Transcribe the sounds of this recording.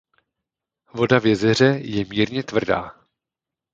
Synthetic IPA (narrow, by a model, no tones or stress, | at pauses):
vo̞davjɛzɛr̝ɛjɛmiːɾɲɛt̪vr̩da̰ː